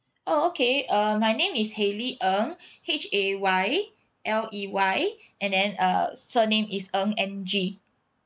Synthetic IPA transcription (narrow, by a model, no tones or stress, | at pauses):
ʔookʰeʌmajnẽmisheliʔə̃ŋhet͡ʃewaj | ʔɛliwajʔɛ̃ndɛ̃nʌ̰sənẽmʔisə̃ŋɛ̃nd͡ʒi